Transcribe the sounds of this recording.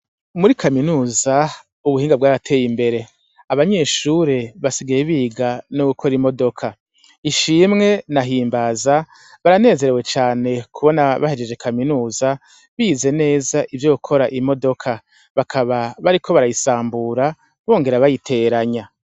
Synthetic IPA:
muɾikʰaminuːza | uβuhiːŋɡab̚ɡwaːɾatʰe̞ːjimbe̞ɾe̞ | aβaɲe̞ʃuɾe̞βasiɡajeβiːɡanuukʰo̞ɾimo̞do̞kʰa | iʃiːmŋe̞naɦiːmbaza | βaɾane̞ːze̞ɾe̞we̞t͡ʃaːne̞kʰuβo̞naβahe̞d͡ʒe̞d͡ʒe̞kʰaminuːza | βiːze̞ne̞ːzaʔivjo̞kʰo̞ɾaʔimo̞do̞kʰa | βakʰaβaβaɾikʰo̞βaɾajisaːmbuɾa | βo̞ːŋɡe̞ɾaβajitʰe̞ːɾaɲa

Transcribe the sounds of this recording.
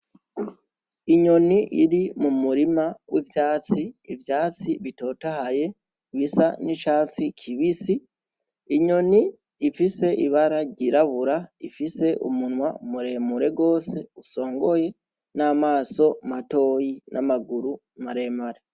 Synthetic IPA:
iɲo̞niʔiɾimumuɾimawʔivjaːt͡siivjaːt͡siβito̞ːtahaje̞ | βisanit͡ʃaːt͡sikʰiβisiː | ɲo̞niː | fise̞ʔiβaɾaɟiɾaβuɾaifise̞ʔṵmunwaumuɾe̞muɾe̞ɡo̞ːse̞uso̞ːŋɡo̞je̞ | naːmaːso̞mato̞ːjinʔa̰maɡuɾu | maɾe̞maɾe

